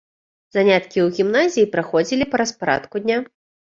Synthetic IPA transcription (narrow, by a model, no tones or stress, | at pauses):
zanʲat̪kʲiwɣʲimnazʲijipɾaxɔd͡zʲilʲipɐɾɐspaɾa̰t̪kud̪ʲnʲa